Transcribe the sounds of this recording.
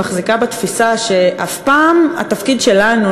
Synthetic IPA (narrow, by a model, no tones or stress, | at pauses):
aχzikabet̪fisaʃe̞ʔafpaːma̰t̪afkidʃe̞lanu